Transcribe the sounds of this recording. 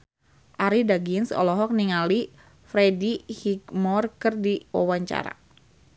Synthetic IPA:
ʔaɾidaɡinsɔ̰lɔɦɔk̚niŋali | fɾedihiɡmɔrkərdiwa̰waɲt͡ʃa̰ɾa̰

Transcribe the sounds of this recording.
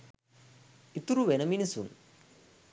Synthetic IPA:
it̪ːuɾuʋenɐminisṵn

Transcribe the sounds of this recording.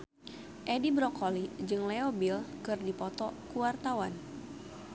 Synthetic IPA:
ʔɛdibɾɔkʰolid͡ʒɨŋlɛobilkɨrdipɔt̪ɔkuwart̪awan

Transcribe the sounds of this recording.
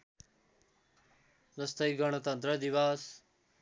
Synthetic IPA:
d͡zʌst̪ʌjɡʌɽ̃ʌt̪ʌnt̪ɾʌd̪iβas

